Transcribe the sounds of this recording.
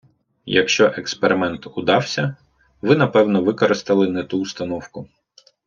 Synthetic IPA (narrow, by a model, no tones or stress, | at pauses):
jɐkʃt͡ʃɔʔekspeɾɪmɛnt̪ʊd̪ɑwsʲɐ | ʋɪnɐpɛwnɔʋɪkɔɾɪst̪ɐlˠɪnɛt̪uːst̪ɐnɔwkʊ